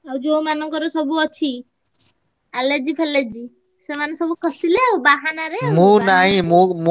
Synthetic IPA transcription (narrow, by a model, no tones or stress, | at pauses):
ad͡ʒomanɔ̃kɔɾosɔbʱuɔt͡ʃʰi | aled͡ʒipʰɛled͡ʒi | semañsɔbukəsileobaɦanaɾemũnaɦĩmum